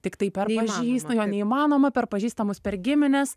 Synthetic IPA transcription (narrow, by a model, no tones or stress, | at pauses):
t̪ʲɪkt̪ɐɪpʲɛrpɐʒʲiːst̪ɐjoːnʲɛiːmɑːnoːmɐpʲɛrpɐʒʲiːst̪ɐmʊspʲɛɾɡʲɪmʲɪnʲɛs